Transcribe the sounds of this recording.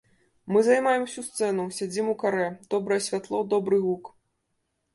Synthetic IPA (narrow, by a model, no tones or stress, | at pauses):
mɨzajmajɛmsʲust̪sɛnusʲad͡zʲimukaɾɛd̪̥ɔbɾɐjɛsʲvʲat̪lˠɔd̪ɔbɾɨɣuk